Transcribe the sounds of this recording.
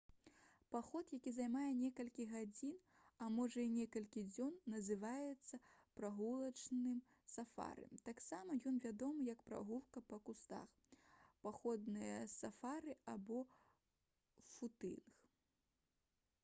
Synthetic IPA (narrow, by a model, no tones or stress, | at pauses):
paxɔt̪jakʲizajmajɛnʲɛkɐlʲkʲiɣad͡zʲin | ɐmɔʐɐinʲɛkɐlʲkʲid͡zʲɔnːɐzɨvajɛt̪sːɐpɾaɣulˠɐt͡ʂnɨm | safa̰ɾɨ̰mt̪aksamɐjɔnvʲad̪ɔmɨjɐkpɾa̰ɣulkɐpɐkust̪a̰x | paxɔd̪nɨjɐsafaɾɨabɔ | fut̪ɨ̰nx